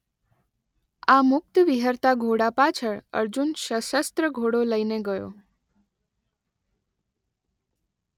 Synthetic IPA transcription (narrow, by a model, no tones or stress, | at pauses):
amʊk̚t̪əʋiɦəɾt̪aɡʱoɽapat͡ʃʰəɭə̰ɾd͡ʒunʃəʃəst̪ɾəɡʱoɽoləineɡəjo̰